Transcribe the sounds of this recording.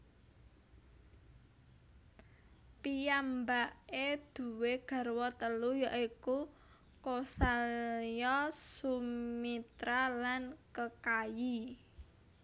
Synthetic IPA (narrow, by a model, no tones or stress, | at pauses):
pijambaʔed̪̥ṳweɡ̥a̤rwɔt̪əlujaʔiku | kosaljɔsumit̪ɾalankəkaji